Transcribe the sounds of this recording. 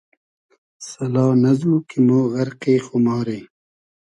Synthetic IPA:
sɐlɑːnɐzuːkimoːɣɐɾqeːxomɑːɾeː

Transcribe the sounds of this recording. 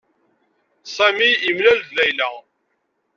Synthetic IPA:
sæmijəmlælvðæjlæ

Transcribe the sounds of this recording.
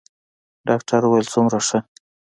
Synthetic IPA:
ɖɑkʈʰaɾuwajlt͡sumɾaʂə

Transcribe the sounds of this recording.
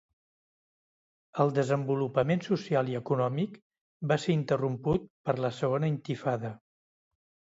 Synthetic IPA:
əlˠd̪əzəmbulupəmensusialˠiəkunɔmik | baseɾint̪ərumput̪̚pəɾləsəɣonəint̪ifaðə

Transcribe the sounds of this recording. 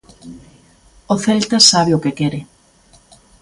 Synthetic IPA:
oθelt̪ɐsaβeʊkekɛɾɪ

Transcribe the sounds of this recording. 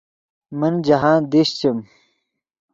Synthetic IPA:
mənd͡ʑɐɦaːnd̪iɕt͡ɕɐm

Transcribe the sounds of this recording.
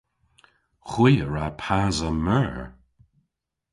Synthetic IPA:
xwiːəɹapʰaːzəmɛɹ

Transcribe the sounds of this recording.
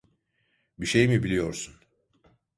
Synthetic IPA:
biʃe̞jmibilʲijo̞ɾsun

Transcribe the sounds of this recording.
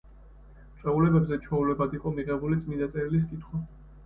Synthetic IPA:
mt̪sʼɛulɛbɛbzɛt͡ʃʰɔulɛbad̪iqʼɔmiʁɛbulit̪sʼmind̪at̪sʼɛɾilis̬kʼit̪ʰχwa

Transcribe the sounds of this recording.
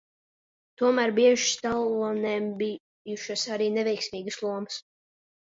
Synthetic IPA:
t̪uɔmæːɾbiɛʒuʃst̪alˠuɔnɛmbi | uʃasaɾiːnɛvɛjksʲmiːɡəslˠuɔməs

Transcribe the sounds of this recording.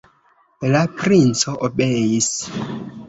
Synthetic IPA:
lapɾint͡soʔobejis

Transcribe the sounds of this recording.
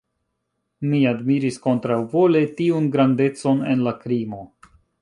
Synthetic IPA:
miadmiɾisko̞ntɾawvo̞le̞tiunɡɾande̞t͡so̞ne̞nlakɾimo̞

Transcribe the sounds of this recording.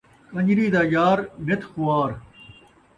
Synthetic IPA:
kɐ̃ɲd͡ʑɾiːd̪aːjaːɾmɪt̪xuaːɾ

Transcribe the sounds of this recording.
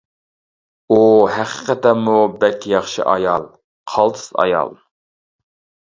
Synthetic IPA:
uhæqʰə̥qʰɛt̪ɛmːubɛkʲʰːjɑχʃɨ̰ʔɑjɑlˠ | qʰɑlˠt̪ʰɨ̥sɑ̰jɑ̰lˠ

